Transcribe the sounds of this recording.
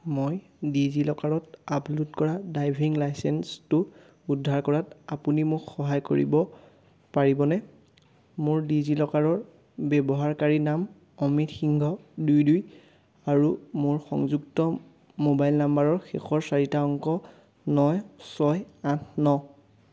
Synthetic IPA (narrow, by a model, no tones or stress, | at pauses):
moj | dizilɔkaɹɔtaplutkɔɹadajbʱiŋlajsɛnstʊ | udʱːaɹkɔɹatapunimʊkxɔɦajko̰ɹḭbɔ | paɹibɔnɛ | mʊɹdizilɔkaɹɔɹ | bɛbɔɦaɹkaɹinam | ɔmitxiŋɡʱɔdujduj | aɹumʊɹxɔ̰ŋzuktɔ | mobajlnambaɹɔɹxexɔɹsaɹitaɔŋkɔ | nɔjsɔjatʰnɔ